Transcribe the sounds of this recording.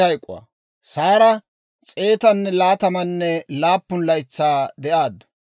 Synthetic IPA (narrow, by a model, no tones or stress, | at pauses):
ɐjkʼʊ̰wɐ̰ | saːɾɐ | t͡sʼe̞ːt̪ɐnːɛlaːt̪ɐmɐnːɛlaːpːʊnlɐjt͡sːaːd̪ɛʔaːd̪ɐ̥